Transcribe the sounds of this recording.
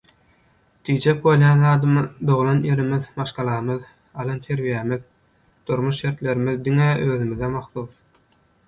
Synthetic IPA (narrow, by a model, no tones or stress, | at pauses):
d̪̥iːd͡ʒek̚bo̞lˠjɑːnðɑːd̪ɯmɯd̪o̞ʁulˠɑnje̞ɾimiðmɑʃqɑlˠɑɯmɯð | ɑlˠɑnt̪ʰe̞ɾβijemið | d̪̥uɾmuʃʃe̞ɾt̪lʲe̞ɾimiðd̪iŋeøːðymiðemɑχθuːθ